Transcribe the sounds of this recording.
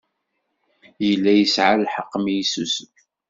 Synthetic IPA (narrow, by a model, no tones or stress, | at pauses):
jəlːæjəsʕalħəqːmjisusf